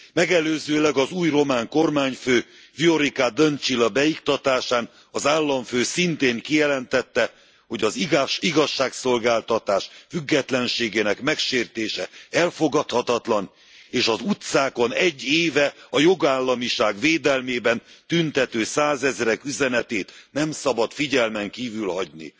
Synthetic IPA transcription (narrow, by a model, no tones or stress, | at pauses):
mɛɡɛløːzøːlɛɡɒzuːjro̞maːŋko̞rmaːɲføː | vio̞ɾikad̪ønt͡ʃilɒbɛjikt̪ɒt̪aːʃaːn | ɒzaːlːɒɱføːsint̪eːŋkijɛlɛnt̪ɛt̪ːɛ | ho̞ɟɒziɡɒʃːaːkso̞lɡaːlt̪ɒt̪aːʃfyɡːɛt̪lɛnʃeːɡeːnɛkmɛkʃeːrt̪eːʃɛɛlfoɡɒt̪hɒt̪ɒt̪lɒn | eːʃɒzut̪saːko̞nɛɟːeːvɛɒjo̞ɡaːlːɒmiʃaːɡveːd̪ɛlmeːbɛnt̪ynt̪ɛt̪øːsaːzɛzɾɛkyzɛnɛt̪eːt̪nɛmsɒbɒt̪fiɟɛlmɛŋkiːvylhɒɟnḭ